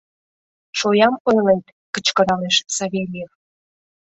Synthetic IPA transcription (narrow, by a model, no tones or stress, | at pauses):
ʃojɑmojlejt̪ | kət͡ɕkəɾɑleʃsɑβʲelʲef